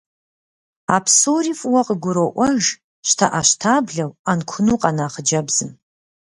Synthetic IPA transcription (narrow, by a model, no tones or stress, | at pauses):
apʰsorifwaqʼəɡʷʊɾoʔʷɐʒ | ʃtʰa̰ʔaʃtʰabɮɐwankʷʰʊnuqʼanaːχəd͡ʒɐbz̥ɨm